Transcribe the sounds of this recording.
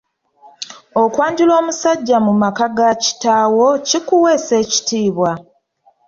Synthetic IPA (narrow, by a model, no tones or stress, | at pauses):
o̞kwaːndilo̞ːmusaɟːamumakaɡaci̥taːwo̞cikuwe̞ːse̞ːci̥tiːβwa